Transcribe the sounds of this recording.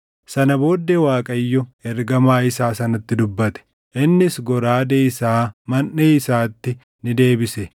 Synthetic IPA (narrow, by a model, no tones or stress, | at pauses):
sɐnɐbo̞ːd̪ːewaːkʼɐjːɔɛɾɡɐmaːɪsaːsɐnɐt̪ːɪd̪ʊbːɐt̪ɛ̥ | ʔɪnːɪsɡɔɾaːd̪eːɪsaːmɐnːeːɪsaːt̪ːɪ | nɪd̪e̞ːbɪsɛ